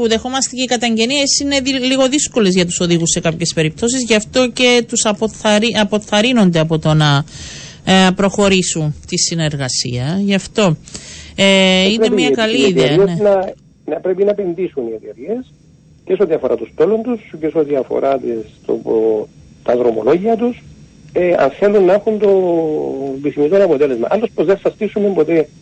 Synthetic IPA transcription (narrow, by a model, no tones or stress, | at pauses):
puðe̞xo̞mɐst̪eceikɐt̪ɐɲɟe̞niesine̞iliɣo̞ðisko̞lezʝɐt̪u̥so̞ðiɣusːe̞kɐpçe̞spe̞ɾip̚t̪o̞sizʝɐft̪o̞ce̞t̪usɐpoθɐɾiɐpo̞θɐɾino̞nd̪eɐpo̞t̪o̞nɐ | pɾo̞xo̞ɾisunt̪isine̞ɾɣɐsḭɐʝɐft̪o̞ | eiɾnemiɐkɐliiðeɐennɐ | nɐpɾepinɐepe̞nðisuniet̪eɾie̞s | ceseot̪iɐfoɾʔɐ̰t̪ust̪o̞lont̪usceseot̪iɐfo̞̰ɾʔat̪ist̪o̰ | t̪ɐðɾomo̰lo̞ʝiɐt̪us | eɐ̰nθe̞lunːɐexunt̪o̞ | biθimizt̪onɐpot̪e̞lezmɐ̰ʔɐlːospozðeθɐst̪isumembot̪e